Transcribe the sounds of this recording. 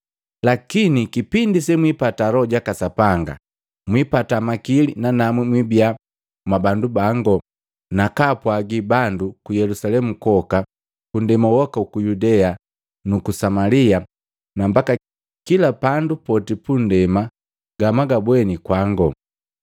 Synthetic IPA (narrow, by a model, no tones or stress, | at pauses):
lakinikipindisɛmwipatalɔɟakasapaŋɡa̰ | mwipatamakilinanamwimwibia | mabandubaŋɡɔ | nakapwaɡibandukujɛlusalɛmukɔka | kundɛmawɔkaukujudɛa | nukusamalia | nambaka | kilapandupɔtipundɛma | ɡamaɡabwɛnikwaŋɡɔ